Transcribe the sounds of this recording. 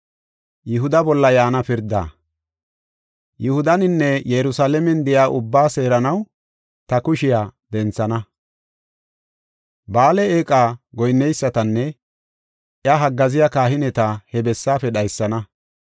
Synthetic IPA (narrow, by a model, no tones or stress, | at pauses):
jɪɦʊd̪ɐbɔlːɐjaːnɐpɪɾd̪a̰ː | jʊhʊd̪ɐnɪnːɛjɛɾʊsaːlɛmɛnd̪ɪjaːʔʊbːaːse̞ːɾɐnɐw | t̪ɐkʊʃɪjaːd̪ɛnt͡sːɐnɐ | baːlɛeːkʼaːɡɔjnːɛjsːɐt̪ɐnːɛ | ʔjɐɦɐɡːɐzɪjakaːɦɪnɛt̪ɐhɛbɛsːaːfɛɗɐjsːɐnɐ